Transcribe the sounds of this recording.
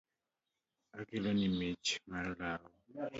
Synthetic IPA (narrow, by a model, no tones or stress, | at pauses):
aɡilonimit͡ʃmarlawɔ